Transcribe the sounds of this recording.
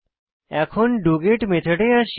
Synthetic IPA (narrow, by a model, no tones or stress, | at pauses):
ɛkʰonɖuɡeʈmet̪ʰəʈeãʃ